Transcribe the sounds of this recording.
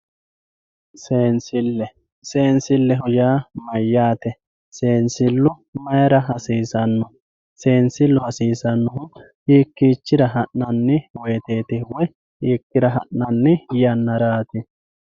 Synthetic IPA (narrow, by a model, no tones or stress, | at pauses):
seːnsɪlːɛ | se̞ːnsɪlːɛɦʊjaːmɐjːaːt̪ɛ | se̞ːnsɪlːʊ | mɐjɐɾɐɦɐsiːsɐnːɔ | se̞ːnsɪlːʊhɐsiːsɐnːɔɦʊ | iːkːit͡ʃːɪɾɐɦɐʔnɐnːɪwe̞ːt̪eːt̪ɪwɔ | hiːkːɪɾɐɦɐʔnɐnːɪjɐnːɐɾaːt̪ɪ